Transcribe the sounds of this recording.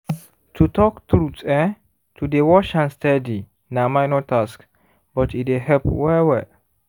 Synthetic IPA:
tʰutɔkt̪ɾutɛ | tʰudewɔʃãnstɛdi | namajnɔtːask | bɔtideɦɛpwɛwɛ

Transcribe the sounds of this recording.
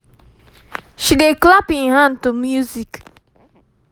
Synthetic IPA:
ʃideklapĩnhãntumjuzik

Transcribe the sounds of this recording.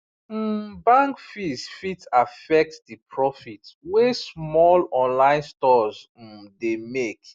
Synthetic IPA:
m̩bãŋkfisfitafɛk̚tdipʰɹɔfitwesmɔlɔ̃nlãɪ̃nstɔz̩ | demek

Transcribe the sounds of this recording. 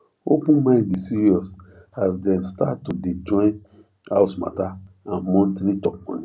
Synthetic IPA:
o̰pũnmãɪ̃ndisiɾiɔs | asdɛ̃mstattːudid͡ʒɔ̃ɪn | haʊsma̰ta | ãnmɔ̃ntɾitɔk̚mɔ̰̃ni

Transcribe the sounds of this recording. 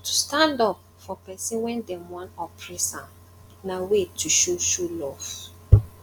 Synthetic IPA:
tʰu̥stãndɔp | fɔpɛsĩnwɛ̃ndɛ̃mwɔ̃nɔpʰɹɛsãm | nawetʰuʃoʃulɔv

